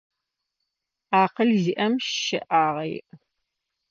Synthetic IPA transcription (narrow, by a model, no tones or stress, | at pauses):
aːqəlziʔɐmʃɨ̰ʔaːʁejʔ